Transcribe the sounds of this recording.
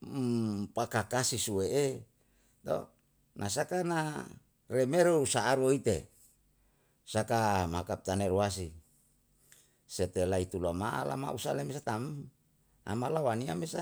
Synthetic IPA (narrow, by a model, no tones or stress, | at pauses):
pakakasisueʔe | t̪o̰ | nʔas̬akana | remeɾousaːɾoit̪e | sakamakap̚t̪aneɾuas̬i | set̪elait̪ulamaʔa̰la̰ma̰ʔusalemesat̪am | a̰malawaniamesa